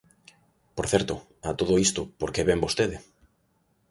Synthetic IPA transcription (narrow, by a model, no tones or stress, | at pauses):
poɾθɛɾt̪ʊ | at̪oð̞oist̪opoɾkeβembost̪eðɪ